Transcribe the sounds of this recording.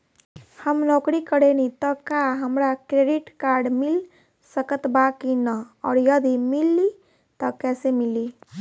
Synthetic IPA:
həmnokɾikəɽenit̪əkaɦəmɾakɾeɖiʈkaɾɖmil | səkət̪bakinəɔ̰ːɾjəd̪imilːi | t̪əkɛsemili

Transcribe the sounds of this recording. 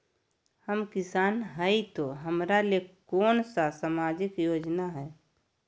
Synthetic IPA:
həmkɪsaːnɦəit̪oɦəmɾalekɔːnsasaːmaːd͡ʒɪkjoːd͡ʒnaɦɛː

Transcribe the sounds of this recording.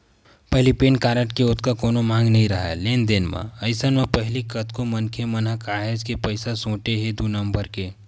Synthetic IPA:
pɐɦlipeːnkaːɾəʈkeʊt̪kakoːnomãːŋɡnɐɦĩɾɐɦa̰leːnd̪enmã̰ɐɪsənmãpɐɦlikət̪komɐnkʰemɐnɦakaːɦed͡ʒkepəɪsasõːʈeɦed̪unɐ̃mbəɾke

